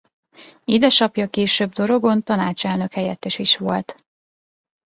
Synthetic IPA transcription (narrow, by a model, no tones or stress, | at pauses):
id̪ɛʃɒpjɒkeːʃøːbd̪o̞ɾo̞ɡo̞nt̪ɒnaːt͡ʃɛlnø̞khɛjɛt̪ːɛʃiʃʋo̞lt̪